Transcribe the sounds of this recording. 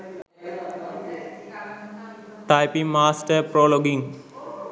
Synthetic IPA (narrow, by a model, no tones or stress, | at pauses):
ʈajpimaːsʈəɾpɾoːloɡiŋ